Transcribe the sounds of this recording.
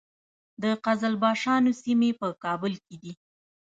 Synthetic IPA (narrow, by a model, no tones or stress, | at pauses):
d̪əqazalbɑʃɑnosimepəkɑbʊlked̪i